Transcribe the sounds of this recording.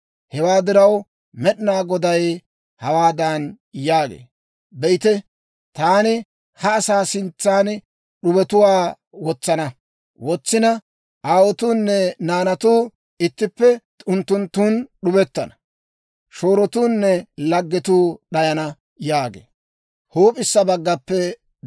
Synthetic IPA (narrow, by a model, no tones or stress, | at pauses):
hɛwaːd̪ɪɾɐw | mɛɗɪnaːɡɔd̪ɐj | hɐwaːd̪ɐn | jaːɡḛː | bɛjɪt̪ɛ | t̪aːnɪ | hɐːsaːsɪnt͡sːaːn | ɗʊbɛt̪ʊwaː | wɔt͡sːɐnɐ | wɔt͡sːɪnɐ | ʔaːwɔt̪uːnːɛnaːnɐt̪uː | ɪt̪ːɪpːɛ | ʊnt̪ːʊnt̪ːuːnɗʊbɛt̪ːɐnɐ̥ | ʃoːɾɔt̪uːnːɛlɐɡːɛt̪uːɗɐjɐnɐ | jaːɡḛː | huːpʼɪsːɐbɐɡːɐpːɛ